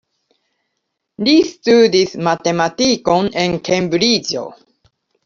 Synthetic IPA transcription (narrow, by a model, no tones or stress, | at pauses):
listud̪ismat̪e̞matiko̞ne̞nkʰembɾid͡ʒo̞̰